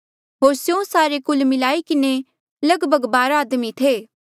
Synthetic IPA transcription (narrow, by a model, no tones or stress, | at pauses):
ɦoːɾsjõsaːɾekʊlmɪlaːikɪne | lɐɡbʱəɡbaːɾaːd̪mit̪ʰeː